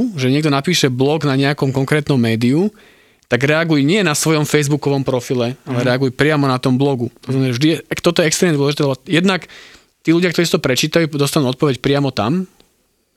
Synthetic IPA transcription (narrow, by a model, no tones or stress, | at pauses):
ʒɛɲɪɛɡ̚d̪ɔnapiːʃɛblɔɡnaɲɛakɔmkɔŋkɾɛːt̪nɔmːɛːd̪iu | t̪aɡɾɛaɡujɲɪɛnasʋɔjɔmfɛjzbukɔʋɔmpɾɔfilɛalɛɾɛaɡujpɾɪamɔnat̪ɔmblɔɡut̪ɔzmɛnavʒd̪ijɛɛkt̪ɔt̪ɔjɛɛkst̪ɾɛmɲɛd̪ʋɔlɛʒit̪ɛlɛbɔjɛd̪nak | t̪iːluɟɪakt̪ɔɾisit̪ɔpɾɛt͡ʃiːt̪ajud̪ɔst̪anuːɔt̪̚pɔʋɛcpɾɪamɔt̪a̰m